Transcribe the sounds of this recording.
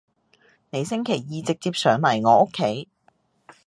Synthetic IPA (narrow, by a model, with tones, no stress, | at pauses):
ne˨˧jsɪ˥ŋkʰe˨˩jjiː˨t͡sɪ˨k̚t͡siː˧p̚sœː˨˩ŋlɐ˨˩jŋɔː˨˧ʔo˥kʰːe˨˥j